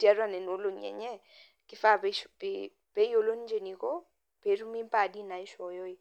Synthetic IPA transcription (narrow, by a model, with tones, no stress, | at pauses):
tja˦ɾwa˦nɛ˨no˦lo˨ɲɛ̰˨ɲɛ˦ | kɪ˦fa˦ppi | pe˦jo˨lo˦nd͡ʒe˨ni˨ko˦ | pe˨˦ɾu˦mi˦mpa˦˨di˦na˨i˦ʃɔ˨jɔ˦i˦